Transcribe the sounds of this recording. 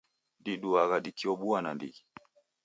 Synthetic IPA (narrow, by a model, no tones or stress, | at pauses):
ndiɗuaɣaɗikiɔɓuanandḭ